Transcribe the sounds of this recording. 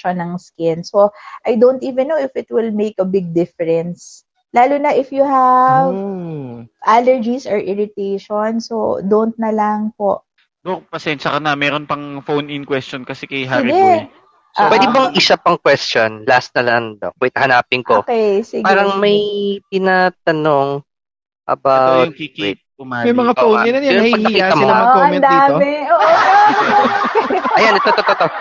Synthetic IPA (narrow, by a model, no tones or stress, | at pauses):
onɐŋskɪnsoʔajd̪ont̪iːvɛ̃nːowɪfɪt̪̚wɪlmejkɐbɪɡ̚d̪ɪfɛɹɛns | laːlʊnɐʔɪfjuɦav | ʔalɛɹd͡ʒisɐɹʔɪɹɪt̪ejʃonso̰d̪ont̪̚nɐlɐŋpoʔ | d̪opɐsɛnʃɐkɐnɐmɛɾonpɐŋfownɪnkwɛst͡ʃonkɐsɛkɐjɦadɛ | pwɛd̪ɪbɐŋʔɪsapɐŋkwɛstonlast̪nɐlɐnd̪o̰kʊɪt̪hɐnaːpɪŋkokɛjsiɡpaːɾɐŋmɐjpɪnat̪ɐno̞ŋ | ʔɐ̰bawwtŋ̚kikit̪̚ʊmamɐjmɐŋaownɪnɐjɛɾɐɡkɐkiːat̪ːɐmɐɐoɐmɛd̪aomɛoʔo | ʔɐjanɛt̪ot̪ot̪ot̪o